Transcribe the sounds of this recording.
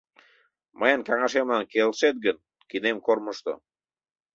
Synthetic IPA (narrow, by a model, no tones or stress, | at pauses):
məjənkɑŋɑʃemlɑnkelʃet̪̚ɡən | kinemkorməʃt̪o̰